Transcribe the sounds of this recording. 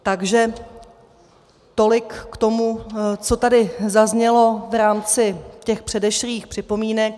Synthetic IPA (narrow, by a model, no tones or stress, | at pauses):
t̪aɡʒɛ | t̪o̞lɪkːt̪o̞mut͡so̞t̪adɪzazɲɛlo̞vɾaːmt͡sɪcɛxpr̥ɛdɛʃɾiːxpr̥ɪpo̞miːnɛk̚